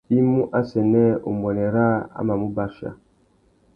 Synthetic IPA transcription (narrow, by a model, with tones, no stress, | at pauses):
i˦mu˦ʔa˦sɛ˨nɛ˦u˨m˨ɛ˨nɛ˨ɾa˦a̰˦ma˨mu˦ba˦ʃa̰˦